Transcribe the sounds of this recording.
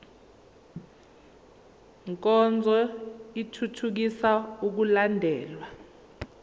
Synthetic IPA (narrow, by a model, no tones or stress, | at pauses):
ŋk̬ʼɔnd͡zʱɔitʰutʰuk̬isauk̬ulandʱɛːlwa